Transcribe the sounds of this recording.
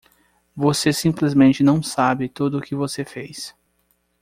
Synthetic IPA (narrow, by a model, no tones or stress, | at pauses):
vosesĩmplɪzmẽnt͡ʃɪnɐ̃w̃sabɪt̪ud̪ʊʊkɪvosefejs